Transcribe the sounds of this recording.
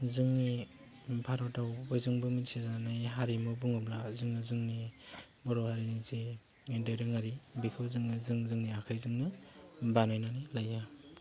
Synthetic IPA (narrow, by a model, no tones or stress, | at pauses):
zɯŋni | pʰaɾɔtawojzɯŋbɯmisʰizanajɦaɾimɯbuŋɯblazɯŋɯzɯŋni | bɔɾohaɾinizi | dajɾɯŋaɾibikʰɯwzɯŋɯzɯŋzɯŋniakʰajzɯŋnɯbanajnanilaja